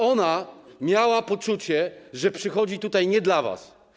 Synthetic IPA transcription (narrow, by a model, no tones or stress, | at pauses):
ɔnamʲjawapɔt͡ʂut͡ɕɛʐɛpʂɘxɔd͡ʑit̪ut̪ajɲɛd̪lava̰s